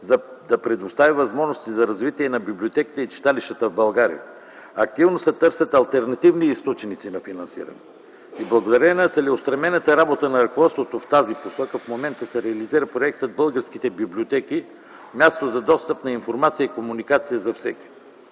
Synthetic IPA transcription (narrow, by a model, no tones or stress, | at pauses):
d̪ɐpɾɛd̪ʊst̪avivɐzmɔʒnost̪izɐɾɐzvit̪iɛnɐbiblʲiot̪ɛki̥t̪ɛit͡ʃi̥t̪aliʃt̪ət̪əvbɐlˠɡaɾḭjə̰ | ɐk̚t̪ivnosɛt̪ɤɾsʲət̪ɐlˠt̪ɛɾnɐt̪ivniist̪ɔt͡ʃnit̪sinɐfinɐnsḭɾɐ̰nɛ | iblˠɐɡod̪ɐɾɛnɐt̪sɛlɛʊst̪ɾɐnɛnət̪əɾabot̪ənɐɾəkovɔt̪st̪vot̪oft̪aziposɔkəfmomɛnt̪əsɛɾɛɐliziɾəpɾoɛk̚t̪əd̪̚bɤlˠɡəɾskit̪ɛbibliot̪ɛki | mʲjast̪ozɐd̪ɔst̪əpnɐinfoɾmat̪sijəikomunikat̪sijəzɐfsɛkʲi̥